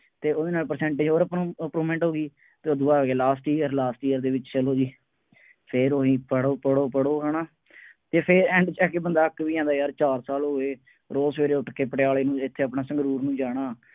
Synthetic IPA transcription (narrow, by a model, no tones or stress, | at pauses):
t̪eːoːd̪eːnaːlpəɾsɛ̃ːɳʈeːd͡ʒɦoːɾəpːpɾuːmɛ̃ɳʈɦoːɡiː | t̪eːoːd̪ʊaːɦoːɡeːlaːsʈiːjəɾlaːsʈiːəɾd̪eːʋɪt͡ʃt͡ʃəloːd͡ʒiː | pʰɪɾoːɦĩːpəɽoːpəɽoːpəɽoːɦɛːɽaː | t̪eːpʰɪɾɛ̃ːɳɖt͡ʃɛːkeːbənd̪aːəkːʋiːãːnd̪aːjaːɾt͡ʃaːɾsaːloːeː | ɾoːsʋeːɾeːʊʈkeːpəʈɪjaːleːnũːɪt̪ʰːeːəpnaːsə̃ŋɡɾuːɾnũːd͡ʒaːɽ̃aː